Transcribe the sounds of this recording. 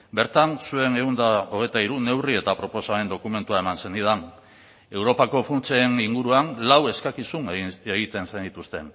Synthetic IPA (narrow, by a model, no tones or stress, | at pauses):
be̞ɾt̪ansue̞ne̞und̪ao̞ɣ̞e̞jt̪aiɾune̞wrie̞t̪apɾo̞po̞same̞nd̪o̞kume̞nt̪uae̞manse̞nd̪ið̞an | e̞wɾo̞pako̞funt͡seːniŋɡuɾuanlawe̞skakisuneɣit̪e̞nsajnd̪it̪ust̪e̞n